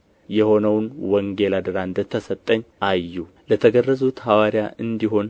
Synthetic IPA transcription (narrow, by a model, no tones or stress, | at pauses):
jɛho̞nəwnwɔŋɡe̞lad̪ɨɾaɨnd̪ət̪ʰːəsət̪ʼːəɲːʔajːu | lət̪ʰəɡərːəzut̪hawaɾjaʔɨnd̪iɦo̞n